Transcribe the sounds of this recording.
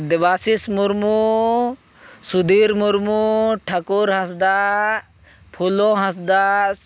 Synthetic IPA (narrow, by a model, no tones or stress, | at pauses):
d̪iʋaːsismuɾmu | sud̪iːɾmuɾmuʈʰɐkuɾɦɐsd̪a | pʰulõɦɐsd̪a